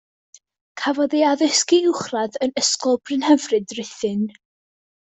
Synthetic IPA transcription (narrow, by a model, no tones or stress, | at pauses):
kʰavɔðiaðəskiɪχraðənəskɔlˠb̥ʰrɨnhɛvrɨdrɪθɨn